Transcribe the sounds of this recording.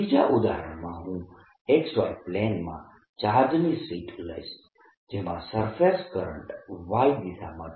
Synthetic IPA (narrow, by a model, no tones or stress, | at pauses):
id͡ʒaʔud̪a̰ɾə̰ɳmãɦũ | eksɔjplenmã̰ | t͡ʃaɦɾd͡ʒnisiːʈlə̰js | d͡ʒemã̰səɾfʰeskəɾə̰ɳʈʋaid̪isʰa̰mã